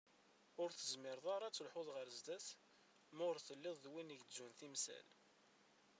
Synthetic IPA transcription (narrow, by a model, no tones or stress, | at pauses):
ʊɾθəzmɪɾðˤaɾˤɑt͡sːəlħʊðˤʁəɾzd̪æθ | mʊʁəɾθəlːɪðˤðwiniʝzunθimsæ̰l